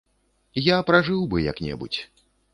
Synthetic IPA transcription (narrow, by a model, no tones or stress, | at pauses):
japɾaʐɨwbɨjɐ̰knʲɛ̰bṵt͡sʲ